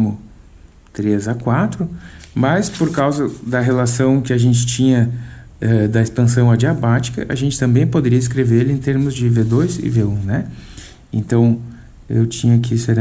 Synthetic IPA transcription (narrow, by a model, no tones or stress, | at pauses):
mʊ | t̪ɾezakwat̪ɾʊmɐspoɾkawzɐd̪ɐɦelasɐ̃w̃kɪaʒẽnt͡ʃɪ̥t͡ʃĩɲɐ | ɛd̪ɐispɐ̃sɐ̃w̃ad͡ʒiabat͡ʃi̥kɐ̰ʔɐ̰ʒẽnt͡ʃɪ̥t̪ɐ̃mbẽj̃pod̪eɾiɐɪs̬kɾeveɾelɪẽt̪eɾmʊzd͡ʒɪved̪ojzɪ̰veũnɛ | ḛ̃nt̪ɐ̃w̃ | ḛwt͡ʃĩɲʊkɪseɾ